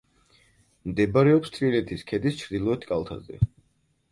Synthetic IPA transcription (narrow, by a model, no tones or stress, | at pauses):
md̪ɛbaɾɛɔpst̪ʰvilɛt̪ʰiskʰɛd̪ist͡ʃʰɾd̪ilˠɔɛt̪ʰkʼalˠt̪ʰa̰zɛ̰